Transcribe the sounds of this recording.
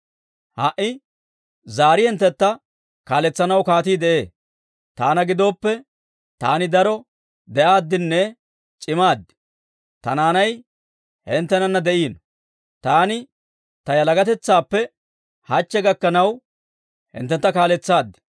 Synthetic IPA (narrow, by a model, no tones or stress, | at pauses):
hɐʔɪ | zaːɾɪhɛnt̪ːɛt̪ːɐ | kaːlɛt͡sːɐnɐwkaːt̪iːd̪ɛʔe̞ː | t̪aːnɐɡɪd̪o̞ːpːɛ | t̪aːnɪd̪ɐɾɔ | d̪ɛʔaːd̪ːɪnːɛ | t͡ʃʼɪmaːd̪ːɪ̥ | t̪ɐ̰naːnɐj | hɛnt̪ːɛnɐnːɐd̪ɛʔiːnɔ | t̪aːnɪ | t̪ɐjɐlɐɡɐt̪ɛt͡sːaːpːɛ | hɐt͡ʃːɛɡɐkːɐnɐw | hɪ̰nt̪ːɛnt̪ːɐkaːlɛt͡sːaːd̪ːɪ̥